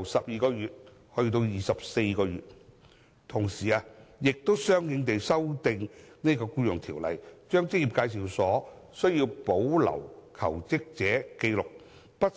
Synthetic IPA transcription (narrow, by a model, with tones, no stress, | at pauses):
wsɐ˨p̚jiː˨˧kɔː˧jyː˨t̚ | hɵ˧˥˧t̪̬o˧wjiː˨˩sɐ˨p̚se˧jkɔː˧ɥyː˨˩t̚ | t̪ʰʊ˨˩ŋsiː˨aː˧jɪ˨k̚t̪o˥wsœː˥ŋjɪ˨˧ŋt̪e˨jsɐ˥wt̪ɪ˨˧ŋne˥kɔː˧kuː˥jʊ˨˩ŋt̪ʰiː˨˩wlɐ̰˨˩jt͡ʃœː˥ŋt͡sɪ˥k̚jiː˨p̚kaː˧jsiː˨wsɔː˨˥ | sɵ˥ɥjiː˧wpo˨˥wlɐ̰˨˩wkʰɐ̰˨˩wt͡sɪ˥k̚t͡sɛː˨˥ke˧jlʊ˨k̚ | pɐ˥t̚